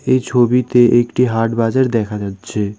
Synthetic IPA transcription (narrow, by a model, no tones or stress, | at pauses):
ejt͡ɕʰobit̪eʔekʈiɦaɾʈbad͡ʑaɾd̪ɛkʰad͡ʑatːɕʰe